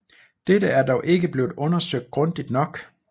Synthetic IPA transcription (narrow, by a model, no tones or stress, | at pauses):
d̥edəæɐdɒʊʔe̝ɡ̥əb̥le̝ːð̩ˠɔ̽nɐsøɡ̥̚d̥̚ɡ̥ʁɔ̽nd̥id̥nɒ̽ɡ̥